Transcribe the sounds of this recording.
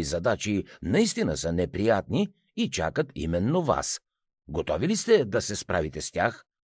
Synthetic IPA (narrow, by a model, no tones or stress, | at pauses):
izɐd̪at͡ʃinɐist̪inəsənɛpɾijat̪ni | it͡ʃa̰kət̪ḭmɛnːova̰s | ɡot̪ɔvilist̪ɛd̪ɐsɛspɾavit̪ɛst̪ʲax